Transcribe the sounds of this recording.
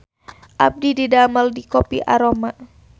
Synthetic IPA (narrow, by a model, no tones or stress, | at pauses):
ʔab̚dididaməldikopḭʔa̰ɾomaʔ